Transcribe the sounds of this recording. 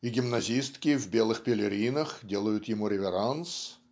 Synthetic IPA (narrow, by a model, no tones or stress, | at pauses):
iɡʲɪmnɐzʲist̪kʲɪvʲbʲelˠɨxpʲɪlʲɪɾʲinəxdʲe̞lˠəjʊt̪jɪmuɾʲɪvʲɪɾans